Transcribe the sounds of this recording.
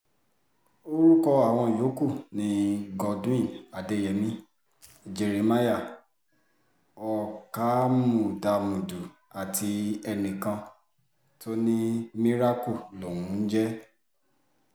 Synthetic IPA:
o˦ɾu˦kɔ˧a˦˨w̃ɔ̃˧˨jo˨˦ku˦˨nĩ˨˦ɡɔ˧d̃ĩ˦˨a˨de˨˦jɛ˨mĩ˧ | d͡ʒe˨ɾi˨ma˦ja˦˨ | ɔ˨ka˦mũ˨da˧mũ˨du˨ | a˨tʰi˨˧˦ɛ˧nĩ˨kã˧ | to˦nĩ˦mĩ˦ɾa˦ku˦˨lo˨wũ˨˦n̩˦d͡ʒɛ˦

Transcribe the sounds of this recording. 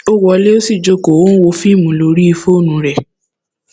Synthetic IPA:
o˦wɔ˧le˦o˦si˦˨d͡ʒo˦˨ko˨wo˦n̩˦wo˧fi˦˨mũ˨˦˨lo˧ɾi˦i˧fo˦˨nũ˧˦ɾɛ˨

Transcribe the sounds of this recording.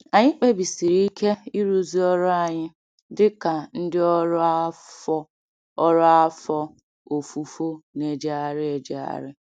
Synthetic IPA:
a˨ɲɪ˦k͡pe˦bi˨si˨ɾi˦i˦kʰe˦i˦ɾu˦zi˦ɔ˦ɾʊ˦a˨ɲɪ˦ | dɪ˦ka˨n̩˦dɪ˦ɔ˦ɾɔ˦ | ɔ˦ɾɔ˦a˦fɔ˦ | o˨fu˨fo˦ne˨d͡ʒa˨ɾɪ˦e˨d͡ʒe˦a̰˨ɾɪ˦

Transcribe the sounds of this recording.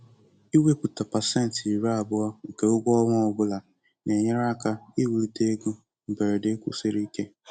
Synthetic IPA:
i˦we˦pu˨ta˨pa˨se˦n̩˨ti˨ɾa˦a˨bʊ˦ɔ˦ŋ̩˨ke˨ʊ˦ɡʷɔ˦wɔ˦ʊ˨ɡʊ˦la˨ | ne˨ɲe˦ɾa˦ka˦i˦wu˨ɾi˦te˦ɡʊ˦ | m̩˨be˨ɾe˨de˦kʷʊ˦se˦ɾi˦ke˦

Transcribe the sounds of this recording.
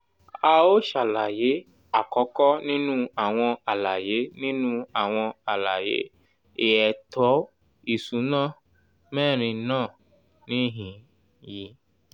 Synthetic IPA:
a˧o˦ʃa˨la˨je˨˦ | a˨kɔ˨˦kɔ˦nĩ˦nũ˦a˨w̃ɔ̃˧a˨la˨je˨˦nĩ˦nũ˦a˨w̃ɔ̃˧a˨la˨jḛ˨˦ | e˨ɛ˨tʰɔ˨˦ | i˨su˨˦nãː˦˨ | mɛ̃ː˦˨ɾ̃ĩ˧nãː˦˨ | nĩ˦ɦĩ˨ | ji˧

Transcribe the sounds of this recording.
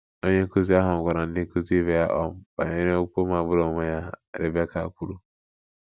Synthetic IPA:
o˦ɲe˦ku˦zi˦a˦ɦʊ˨ŋ̩˨ɡʷa˨ɾa˨n̩˦dɪ˦ku˦zi˦i˦ve˦ja˦ʔɔ˦m̩˦ba̰˨ɲ˦e˦ɾe˦u˦po˦ma˨bʊ˦ɾo˨me˦ja˦˨ɾɪ˨be˦ka̰˨ku˦ɾu˦

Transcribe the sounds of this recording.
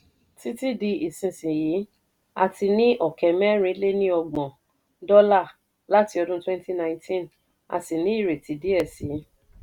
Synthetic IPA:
ti˦ti˦di˧i˨sĩ˨˧sĩ˨ji˨˦ | a̰˧ti˧nĩ˦ʔɔ˦˨kɛ˨mɛ˦ɾ̃ĩ˧˦le˦nĩ˦ɔ˧ɡ͡bɔ̃˨ | dɔ˦la˦˨ | la˨˦ti˧ɔ˧dũ˦twɛ̃˦n˦ti˦nã˧ĩ˦ntĩ˦n | a̰˧si˨nĩ˨˦i˦˨ɾe˨ti˨˦di˨˦ɛ˦˨si˨˦

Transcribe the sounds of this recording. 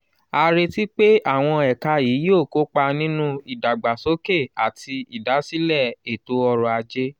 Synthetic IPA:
a˧ɾe˧ti˦k͡pe˦a˦˨w̃ɔ̃˧ɛ˨ka˧ji˨˦jo˦˨ko˦k͡pa˧nĩ˦nũ˦i˨da˨ɡ͡ba˨so˨˦ke˦˨a˨tʰi˧i˨da˨˦si˦lɛ˦˨e˨to˨˦ɔ˧ɾɔ˨a˧d͡ʒe˦

